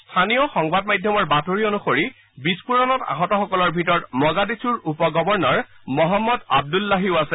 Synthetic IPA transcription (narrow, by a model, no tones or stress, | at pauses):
stʰanijɔxɔŋbad̚majdʱjɔmɔɹbatoɹionuxoɹi | bispuɹɔnɔta̰ɦɔtɔxɔkɔlɔɹbʱitɔɹɔtmɔɡadisuɹupɔɡɔbɔɹnɔɹmɔɦɔmːɔda̰b̚dulːaɦiʊasɛ